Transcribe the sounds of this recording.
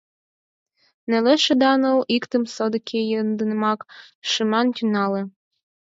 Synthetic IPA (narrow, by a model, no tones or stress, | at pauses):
nelɛʃed̪ɑnowʔikt̪əmsod̪ɤkʲʰejend̪ɨnɘmɑkʃɨmɑntʲynɑlĕ